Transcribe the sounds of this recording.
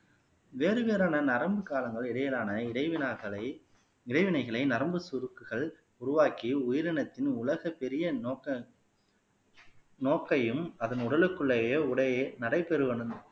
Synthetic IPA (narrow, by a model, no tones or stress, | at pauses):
ʋeːɾɯʋeːɾaːnɐnɐɾɐmbɯkaːlɐŋɡɐɭɛɽɐjɐlaːnɐɐʋɪnaɐɐ | ɪɾɐɪʋɪnɐɪɣɐɭɐɪnɐɾɐmbɯsʊɾɯkːɯɣɐɭ | ʊɾʊʋaːkiʊjɪɾɐɳɐt̪ːɪnʊlɐɣɐpɛɾɪjɐɐ | noːkːɐjɯmɐðɐnʊɽɐlɯkːɯɭːɐjeːʊɽɐjenɐɽɐɪpɛɾɯʋɐɳɯnɯ